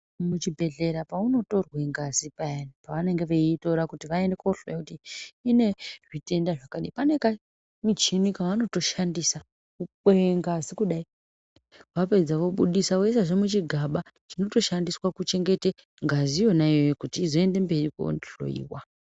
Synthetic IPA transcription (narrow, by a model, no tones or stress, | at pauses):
mut͡ʃibʱe̞ɮe̞ɾapauno̞to̞rweŋɡazipaenipaʋane̞ŋɡe̞ʋeito̞ɾakutiʋaende̞koɬojekutiːne̞ʐite̞ndaʐakaɗḭipane̞ka | mit͡ʃinikaʋano̞to̞ʃandisa | ku | eŋɡazikuɗai | wape̞d͡zaʋoɓuɗisawes̬aʐemut͡ʃiɡʱaɓa | ʐino̞to̞ʃandiswakut͡ʃe̞ŋɡe̞te | ŋɡazijo̞najojekutiːzo̞e̞nde̞mbe̞riko̰nɬo̰ḭːwa